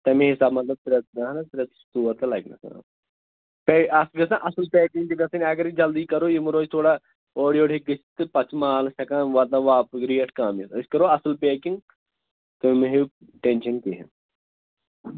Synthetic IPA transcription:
t̪ɐmĩɦisaːbmɐt̪lɐb̚t̪ɾɐt̪nɐɦnɐt̪ɾet̪t̪uːɐɾt̪ɐlɐjknɐ̰sɐ̰ɾa̰ | peːɐsɡɐsãʔɐslpeːkĩŋɡd͡ʒiɡɐsɐnʲɐɡɐɾid͡ʒɐld̪iːkɐɾoːjimuɾoːd͡ʒt̪ʰoːɽa | oːɽijoːʈʰiɡɨt͡ʃʰt̪ɨpɐt͡ʃmaːlsɐkãːnʋat̪ãʋaːpɡɾijeʈkaːmisɐskɐɾoːɐsɨlpeːkĩŋɡ | t̪umiɦi | ʈenʃɐnkiɦɐ̰̃

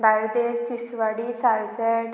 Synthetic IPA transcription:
bajɾd̪est̪isʋaɽisalsɛ

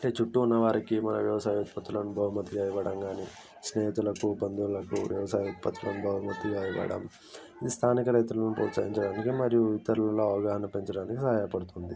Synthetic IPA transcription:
ɐʈeːt͡ʃuʈːuːnːɐʋaːɾikimɐnɐʋjɐʋɐsaːjut̪̚pɐt̪ːulɐnubʱɐɦumɐt̪ːiɡaːjiʋɐɽɐmɡaːni | sneːt̪ulɐkubɐnd̪ulɐkuʋjɐʋɐsaːjut̪̚pɐt̪ʰːulɐnubʱɐɦumɐt̪ːiɡaːjiʋɐ̰ɽɐ̰m | ist̪ʰaːnikɐɾɐjt̪ulɐnupoːsaːɡiɲt͡ʃɐɽaːnikimɐɾijuʋit̪ːɐɾulɐlo̞ːɐʋɐɡaːɦɐnɐpe̞ɲt͡ʃɐɽaːnikisɐɦaːjɐpɐɽut̪und̪i

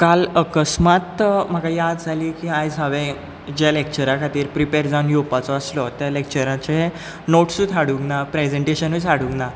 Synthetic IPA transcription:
kaləkəsmat̪m̤aɡajad̪d͡zʱaliːkiajd͡zʱaʋẽ | d͡ʑalek̚t͡ɕəɾakʰat̪iːɾpɾipeɾd͡zanjopat͡sɔəslɔt̪jalek̚t͡ɕəɾãt͡ɕe | noʈsũt̪ʰaɽuɡnapɾed͡zẽɳʈeɕənut͡saɽuɡna

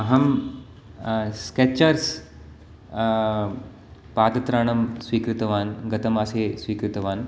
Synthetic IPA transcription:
ɐɦɐm | sket͡ɕəɾs | paːd̪ɐt̪ɾaːɳɐmsʋiːkɾɪt̪ɐʋaːnɡɐt̪ɐmɐseːsʋiːkɾɪt̪ɐʋaːn

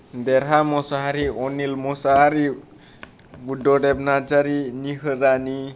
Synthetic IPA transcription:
d̪ɛɾamɔsaɦaɾiɔnilmɔsaɦaɾi | budɔɖɛb̚nad͡ʒaɾiniɦɯɾani

